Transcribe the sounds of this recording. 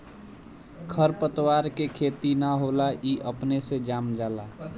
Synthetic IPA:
kʰəɾpət̪waɾkekʰet̪inaɦolaʔiʔəpnesed͡ʒamd͡ʒala

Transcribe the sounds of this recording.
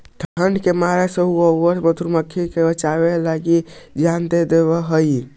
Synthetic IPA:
ʈ̪ʰəɳɖkemaɾesəɦuəwəɾmət̪uɾməkʰːikebət͡ʃabelaɡid͡ʒand̪ed̪eβɔɦəj

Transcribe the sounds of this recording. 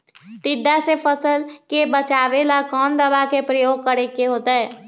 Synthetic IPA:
t̪ɪd̪ʱːasepʰəsəlkebət͡ʃaːʋelakɔːnd̪əbakepɾəjoːɡ̚kəɾekeɦoːt̪aɦɛː

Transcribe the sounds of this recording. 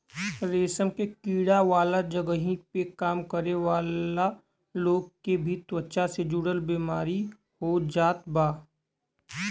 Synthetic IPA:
ɾeːsəmkekiːɽaʋaːlad͡ʒəɡəɦĩpekaːmkəɾeʋaːla | loːɡkebʱit̪wətːʃased͡ʒʊɽəlbiːmaːɾi | hod͡ʒaːt̪baː

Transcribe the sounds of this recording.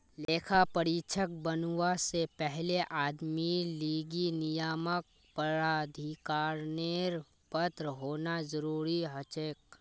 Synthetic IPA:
leːkʰapəɾit͡ʃʰək̚bənwasepɛɦleʔaːd̪miliːɡinɪjaːmək̚ | pəɾaːd̪ʱikaːɾneːɾ | pət̪ɾɦoːnazəɾuːɾiɦət͡ʃeːk

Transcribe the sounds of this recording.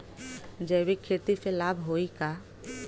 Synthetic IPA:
d͡ʒɛːbikʰːet̪iselaːbʱɦoːika

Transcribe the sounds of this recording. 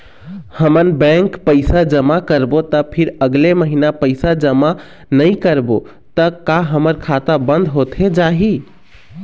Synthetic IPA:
həmənbɛ̃ŋkpəɪsad͡ʒəmakəɾbot̪əpʰiɾəɡleməɦinapəɪsad͡ʒəma | nəɪkəɾbo | t̪əkaɦəməɾkʰat̪abənd̪ʱɦot̪ʰɦed͡ʒaɦi

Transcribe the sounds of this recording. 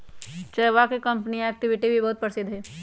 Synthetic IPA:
t͡ʃɐʋakekɐ̃mpniɛːk̚ʈɪʋɪʈibʱibɐɦʊt̪̚pəɾsɪd̪ɦɛː

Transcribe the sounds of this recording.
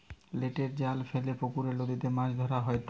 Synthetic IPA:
leʈeɾd͡ʑalfelepokuɾelod̪it̪emãʃd̪ʱɔɾaɦɔet̪

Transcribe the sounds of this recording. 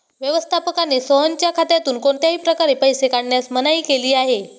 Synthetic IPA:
ʋjəʋəst̪ʰapəkanesəɦənt͡ɕjakʰat̪jat̪uːnkoɳt̪jaɦiːpɾəkaɾepəjsekaɽɳjasmənaiːkeliːaɦe

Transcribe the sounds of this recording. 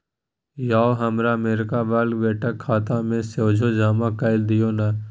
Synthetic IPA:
jaːoɦəmɾaːmeːɾɪkaːʋəːlɡʋeːʈəkʰːaːt̪ãːmẽseːd͡ʒʱoːd͡ʒaːmãːkəɪld̪ɪjoːna

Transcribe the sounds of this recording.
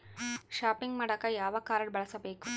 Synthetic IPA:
ʃaːpiŋɡmɐɽɐkːɐjaːʋɐkaːɾɐɽbɐɭɐsɐbeːku

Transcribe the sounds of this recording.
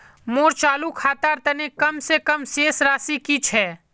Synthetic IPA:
moːɾt͡ʃaːlukʰaːt̪aːɾt̪ɐnekɐmsekɐmseːsɾaːsikit͡ʃʰɛː

